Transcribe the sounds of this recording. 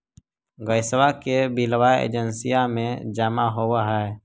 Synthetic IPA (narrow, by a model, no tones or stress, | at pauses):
ɡəɪswakebilwajḛːd͡ʒənsijamẽd͡ʒəmaɦowaɦɛː